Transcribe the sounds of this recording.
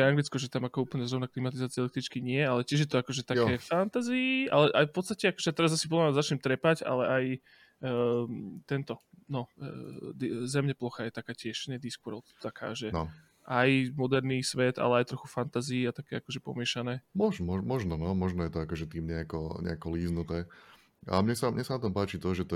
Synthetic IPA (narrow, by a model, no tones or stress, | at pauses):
ɛaŋɡlit͡skɔʒɛt̪amakɔuːpl̩ɲɛzɾɔʊnaklimat̪izaːt͡siɛlɛkt̪ɾit͡ʃkiɲɪɛalɛcɪɛʒjɛt̪ɔakɔʒɛt̪akɛːfant̪aziia̰lɛʔajfpɔt̪st̪acɛakɔʒɛjat̪ɛɾazasipɔd̪lazat͡ʃɲɛmt̪ɾɛpaɟa̰lɛʔaj | t̪ɛnt̪ɔnɔ | d̪zɛmɲɛplɔxajɛt̪akaːcɪɛʃɲɛd̪iskuɾɔt̪akʰa̰ːʒɛnɔ | ʔajmɔd̪ɛɾniːsʋɛt̪a̰lɛajt̪ɾɔxufant̪aziːat̪akɛːakɔʒɛpɔ̰mɪɛʃanɛːmɔʒmɔmɔʒnɔnɔmɔʒnɔjɛt̪ɔakɔʒɛt̪iːmɲɛakɔɲɛ̰akɔliːznut̪ɛː | a̰mɲɛsamɲɛsanat̪ɔmpaːt͡ʃit̪ɔʒɛt̪